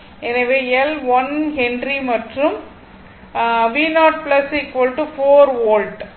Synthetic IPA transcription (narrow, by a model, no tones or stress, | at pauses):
ɛnɐʋeːɛlʋɐnhɛnɖrimɐʈrɯm | ʋiːnaːʈ̚plɐsɪkʋɐlʈufoːɾʋoːlɖ